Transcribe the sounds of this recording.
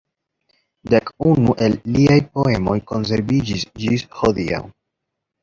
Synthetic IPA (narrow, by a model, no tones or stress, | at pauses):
dekunuʔe̞lːiajpo̞e̞mo̞jko̞ns̬e̞ɾvid͡ʒisd͡ʒisho̞dia̰w